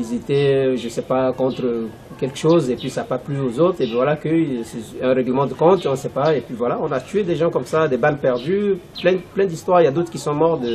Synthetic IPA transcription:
ilzet̪ɛʒəsɛpakɔ̃t̪χə | kʲɛlkəʃozepɥisapaplyozot̪χepivwalakəisɛɛ̃ʁɛɡləmɑ̃d̪əkɔ̃t̪ɔ̃sɛpaepɥivwalaɔ̃nat̪ɥed̪eʒɑ̃kɔmsad̪ebalpɛʁd̪yplɛ̃plɛ̃d̪ist̪waʁljad̪ot̪χəkʲisɔ̃mɔʁd̪ə

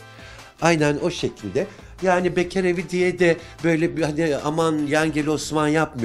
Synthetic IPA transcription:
ajnæno̞ʃe̞cʰilʲd̪ɛ | jaːnibecʰeɾevid̪ijɛd̪ɛ | bø̞jlʲɛbhania̰manjænɟelʲo̞smanjapmɯ

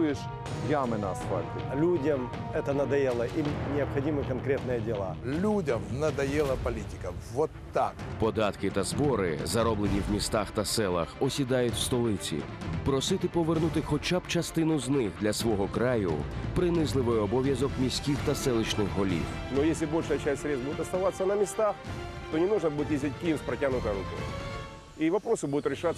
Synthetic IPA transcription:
jɪʂ | jamɪnaspalʲtʲɪlʲudʲɐm | ɛt̪ɐnɐd̪ɐjelˠɐʔinʲɪɐpxɐdʲimɨkɐnkɾʲet̪nɨjɛdʲɪlˠa̰lʲudʲɐmnɐd̪ɐjɛlˠɐpɐlʲitʲɪ̥kɐʋɔt̪ːakpɔd̪ɑt̪kɪt̪ɐzbɔɾɪ̰zɐɾɔblˠenʲiwmʲist̪axt̪ɐsɛlˠɐ̰xɔsʲid̪ɑjʊtʲwst̪ɔlˠɪt͡sʲḭ | pɾɔsɪt̪ɪpɔʋernut̪ɪxɔt͡ʃab̥t͡ʃɐst̪ɪnʊznɪxd̪lʲɐsʋɔɦɔkɾajʊ̰pɾɪnɪzlˠɪʋɪjɔbɔʋʲjɐzɔkmʲisʲkʲiwt̪ɐsɛlˠɪt͡ʃnɪxɦɔlʲḭw | nɔjesʲlʲɪbolʲʂəjɐt͡ʃæsʲtʲsɾʲet̪t̪bud̪ʲɪt̪ɐst̪ɐʋat̪sːɐnɐmʲɪst̪ax | t̪onʲɪnuʐnɐbud̪ʲɪt̪jʲezʲdʲɪt̚ʲkʲijɪspɾɐtʲanʊt̪ɐjɾʊkʲɔ̰ | iʋɐpɾosɨbud̪ʊt̪ɾʲɪʂa

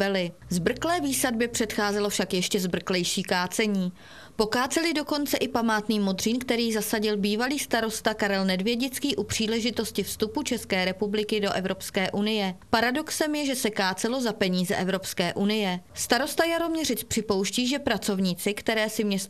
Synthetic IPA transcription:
ɛlɪ | zbr̩klɛːviːsadbɛpr̝̥ɛt̪xaːzɛlo̞fʃakjɛʃcɛzbr̩klɛjʃiːkaːt͡sɛɲiː | po̞kaːt͡sɛlɪdo̞ko̞nt͡sɛʔɪpamaːt̪niːmo̞d̪riːnkt̪ɛɾiːzasaɟɪlbiːvaliːst̪aɾo̞st̪akaɾɛlnɛdvjɛɟɪt͡skiːʔupr̝̥iːlɛʒɪt̪o̞scɪfst̪uput͡ʃɛskɛːɾɛpublɪkɪdo̞ʔɛvɾo̞pskɛːʔunɪjɛpaɾado̞ksɛmjɛʒɛsɛkaːt͡sɛlo̞zapɛɲiːzɛʔɛvɾo̞pskɛːʔunɪjɛst̪aɾo̞st̪ajaɾo̞mɲɛrɪt͡spr̥ɪpo̞wʃciːʒɛpɾat͡so̞vɲiːt͡sɪkt̪ɛɾɛːsɪmɲɛst̪

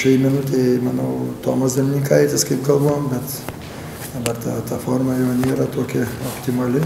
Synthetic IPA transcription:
ʃɐɪmʲɛnʊt̪ɐɪmɐnɐʊt̪oːmɐsd̪ɐmʲɪnʲikɐjt̪ʲɪskɐɪpkɐlˠboːombʲɛt̪ | d̪ɐbɐrt̪ɐ̰t̪ɐfoːɾmɐjɛːnʲeːɾɐt̪oːkʲɛopʲt̪ʲɪmɐlʲɪ

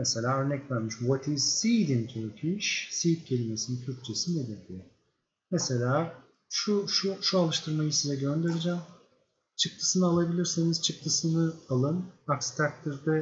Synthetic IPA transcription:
mese̞lʲaːø̞ɾnɛcvæɾmiʃwɔt̪ʰiz̥sid̪int̪ʰukʰiʃsip̪̚cʰe̞lʲimesint̪ʰyɾc̚t͡ʃʰesined̪iɾdʲi | mese̞lʲaː | ʃuʃuʃualˠɯʃt̪ʰɯɾmajɯsizɛɟø̞nd̪e̞ɾid͡ʒæːm | t͡ʃʰɯk̚t̪ʰɯ̥sɯnɯalˠabilʲiɾsiniz̥t͡ʃʰɯk̚t̪ʰɯsɯnɯalˠɯnakst̪ʰak̚t̪ʰiɾd̪ɛ

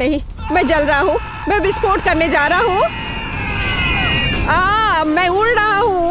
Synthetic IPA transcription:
ɐɦĩ | mɛ̃ːd͡ʒɐlɾaɦaɦũ | mɛ̃bʱɪspoːɾʈ̚kɐɾned͡ʒaːɾaɦaɦũ | aːmɛ̃ʊ̃ɽɾɐɦaɦũ

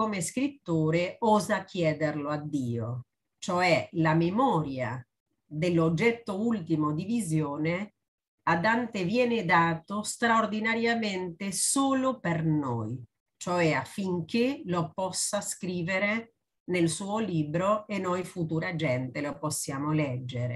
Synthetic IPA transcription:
komeskɾit̪ːoːɾeɔːzak̟ːjɛːd̪erload̪ːiːo | t͡ʃoɛlamemɔːɾja̰ | d̪elːod͡ʒːɛt̪ːoult̪imod̪ivizjoːne | ad̪ant̪evjɛːnɪd̪aːt̪ost̪ɾaord̪inaɾjament̪esoːlopernoj | t͡ʃoɛafːiŋk̟elopɔsːaskɾiːveɾe | nelsuːoliːbɾoenːojfut̪uɾad͡ʒɛnt̪elopɔsːjaːmolɛd͡ʒːeɾḛ

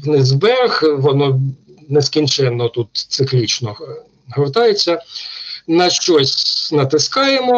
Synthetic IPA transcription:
ʋnɪzbɛxʋɔnɔneskʲint͡ʃɛnːɔt̪ut̪t̪sɪklʲit͡ʃnɔ | ɦɔrt̪ɑjet͡sʲːɐ | nɐʃt͡ʃɔsʲnɐt̪ɪskɑjemɔ

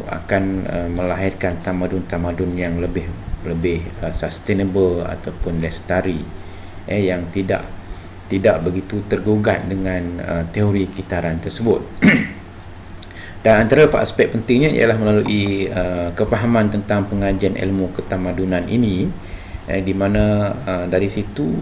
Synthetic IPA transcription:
a̰kanəmə̃laɦɪrkant̪amadʊnt̪amadʊnjaŋləbɪhləbɪhəsast̪enəbəla̰t̪awpʊnlɛst̪aɾi | ʔəjaŋt̪ida̰ʔ | t̪idaʔbəɡit̪ut̪ərɡuɡat̪̚dəŋãnə̰t̪eoɾikit̪aɾant̪ərsəbʊt̪̚ | d̥anant̪aɾafa̰spɛk̚pənt̪ɪŋɲãḭja̰lahməlaluʔiəkəfaɦamãnt̪ənt̪aŋpəŋad͡ʒianʔɛ̰lmõkət̪amadunanʔḭni | ədimãnaədaɾisit̪u

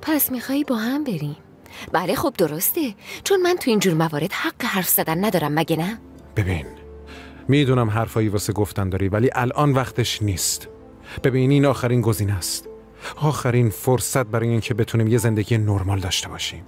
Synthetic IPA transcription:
pʰæsmixɒːjibɒːɦæmbe̞ɾim | b̥æle̞xob̚d̪oɾo̞st̪et͡ʃʰonmænt̪ʰuiːnd͡ʒuːɾmævɒːɾe̞d̪̥hæɢːeɦæɾfz̥æd̪ænːæd̪ɒːɾæmːæɟenæ | b̥e̞biːn | miːd̪uːnæmɦæɾfɒːjivɒːse̞ɡoft̪ænd̪ɒːɾiːvæliːʔælʔɒːnvæxt̪ʰe̞ʃniːst̪ | b̥e̞biːniːnɒːxæɾiːnɡo̞ziːnæst̪ | ɒːxæɾiːnfoɾsæt̪̚bæɾɒːjeiːncʰe̞be̞t̪ʰuniːmje̞ze̞nd̪eɟijenoɾmɒːld̪ɒːʃt̪e̞bɒːʃiːm

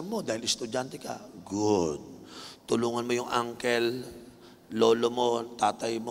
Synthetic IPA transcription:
mmːo̞d̪aːhɪlɛst̪ʊd͡ʒant̪ɛka̰ɡʊd̪̚t̪ʊluːŋɐnmo̞jʊŋʔaŋkɛlː | oːlomot̪aːt̪ɐjmo

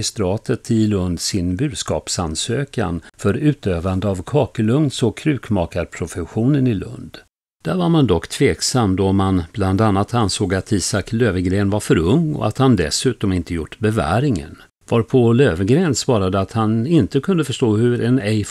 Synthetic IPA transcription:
ɪst̪ɾɑːt̪ʰət̪ʰɪlɵnd̪sɪnbʉ̟ːd̪skɑ̰ːpsansøːka̰nfœɾʉ̟ːt̪øːvand̪əavkʰɑːkəlɵŋnsɔkʰɾʉ̟ːkmɑːkaɾpʰɾʊfɛɧuːnənɪlɵ̰nd̪ | d̪̥æɾvaɾmand̪ɔkːt̪ʰveːksamːd̪ɔmanb̥land̪anːat̪ʰansoːɡat̪ʰiːsakløːvəɡɾeːnvaɾfœɾɵŋːɔ̰a̰t̪hand̪ɛsʉ̟ːt̪ɔmɪnt̪əjʊʈːbɛvæ̰ːɾɪŋə̰n | vɑɾpʰɔløːvəɡɾeːnsvɑːɾad̪əat̪hanɪnt̪əkʰɵnd̪əfœʂt̪oːhɵɾɛnɛjf

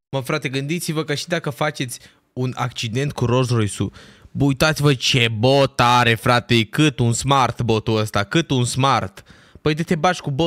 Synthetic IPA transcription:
məfɾat̪e̞ɡɨnd̪it̪sivəkəʃid̪akəfat͡ʃe̞t̪sʲ | una̰k̚t͡ʃid̪e̞nt̪̚kuɾo̞ʃɾojsubujt̪at̪sivət͡ʃebot̪aɾe̞fɾat̪e̞kɨt̪unsmart̪bo̞t̪uəst̪akɨt̪unsmart̪ | pəjd̪et̪e̞bat͡ʃʲkubo

